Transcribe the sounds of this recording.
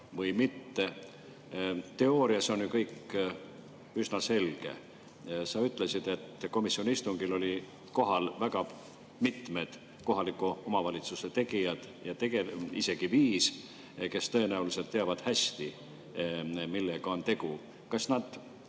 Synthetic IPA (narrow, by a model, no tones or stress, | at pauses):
vɤjmit̪ːe̞ | t̪e̞o̞ːɾiɑso̞njukɤjkː | ysnɑse̞lɡ̥e̞̰ | sɑyt̪ːˑle̞sid̪̥e̞t̪ːko̞misːio̞nʲiist̪uŋɡ̥ilo̞lʲi | ko̞ɦɑlvæɡ̥ɑ | mit̪me̞d̪̥ | ko̞ɦɑlikːˑuo̞mɑvɑlʲit̪suse̞t̪e̞ɡ̥ijɑd̪̥ | jɑt̪e̞ɡ̥eise̞ɡ̥iviːs | ke̞st̪ɤe̞næulise̞lt̪ːeɑvɑd̪̥hæsʲt̪i | milːeɡ̥ɑo̞nt̪e̞ɡ̥u | kɑsnɑd̪̥